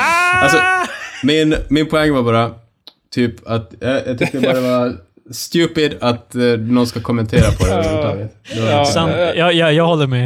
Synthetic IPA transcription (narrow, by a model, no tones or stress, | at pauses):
alsɔmɪnmɪnpʰɔɛŋːvaɾbɑːɾa | t̪ʰyːpat̪jɑjɑt̪ʏk̪t̪ːəɾɛɑɾad̪ɛvaɾ | st̪ʉ̟ːpɪd̪at̪nɔnskakʰɔmːɛnt̪ʰeːɾapʰɔd̪ɛʉt̪ʰɑ̰ːɡət̪d̪ɛasant̪jɑjɑjɑːɡhɔlːəmɛ